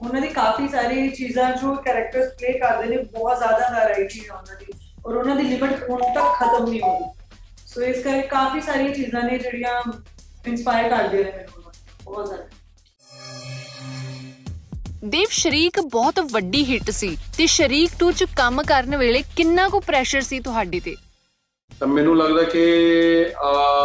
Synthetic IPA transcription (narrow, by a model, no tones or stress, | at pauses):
ʊnãːd̪iːkaːfiːsaːɾiːt͡ʃiːzãːd͡ʒoːkɛːɾək̚ʈəɾspleːkəɾd̪eːnẽːbɔːt̪zjaːd̪aːzaːɾaːiːt͡ʃiːzɦõːnd̪aːniː | ɔːɾʊnãːd̪iːlɪbəʈʊnt̪əkʰːət̪əmnĩːɦõːd̪iː | soːɪskəɾkekaːfiːsaːɾijãːt͡ʃiːzãːnẽːd͡ʒeːɽijãː | ɪnspaːɪəɾkəɾd̪ɪãːnẽːmɛːnunãː | bɔːt̪zaːd̪ | d̪eːʋʃəɾiːkbɔːt̪ʋəɖiːɦɪʈsiːt̪eːʃəɾiːkʈũːt͡ʃkəmkəɾnʋeːɭeːkɪnːãːkõːpɾɛːʃəɾsiːt̪ʊɦaːɖeːt̪eː | t̪aːmɛːnũːləɡd̪aːkɪ